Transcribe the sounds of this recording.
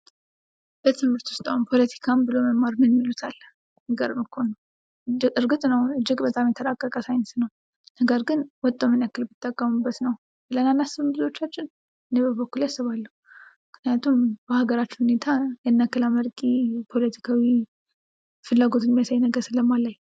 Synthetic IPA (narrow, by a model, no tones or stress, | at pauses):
b̥ət̪ʰɨmhɨɾt̪wʊst̪ʼaumpʰo̞lət̪ʰi̥kʰambɨloməmːaɾnɨnmːilut̪ʰalː | nəɡəɾməkʰonːəw | ɨd͡ʒɨɾɡɨt̪nəwɨd͡ʒːɪɡbət̪ʼamjɛt̪ʰəɾakʼːəkʼəsajnəsnəw | nəɡəɾɡɨnwɔt̪ʼːomɨnakːɨlbɨt̪ʰʼːəkʼːəmɨbːət̪nəw | ɨlənanːasɨβɨmbɨzo̞t͡ʃːat͡ʃːɪn | ʔɨnebəbokːuljasːɨβalːəhu | ɨkʰnɨjat̪ʰumbəhaɡəɾat͡ʃːnhune̞t̪ʰajɛnːakːɨlaməɾkʼipʰo̞lət̪ʰi̥kʰawi | fɨlːaɡo̞t̪ɪnmijasajnəɡəɾsɨləmːalːaj